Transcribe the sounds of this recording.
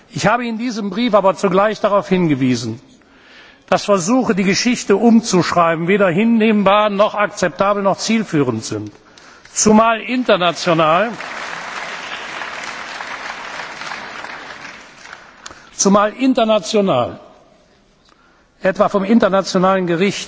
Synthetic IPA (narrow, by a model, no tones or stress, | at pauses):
ʔɪçhaːbəɪndiːzəmbʁiːfaːbɐt͡suɡlaɪçd̥aʁaʊfhɪnɡəviːzn̩ | d̥asfɛɐzuːxədiːɡəʃɪçtəʔʊmt͡suʃʁ̥aɪbn̩veːɾɐɦɪnːeːmbaːɐnɔχak̚t͡sɛp̚taːbl̩nɔχt͡siːlfyːʁəntz̥ɪnt | t͡sumaːlʔɪntɐnat͡sjonaːl | t͡sumaːlʔɪntɐnat͡sjona̰ːl | ʔɛtv̥aːfɔmɪntɐnat͡sjonaːlənɡəʁɪçt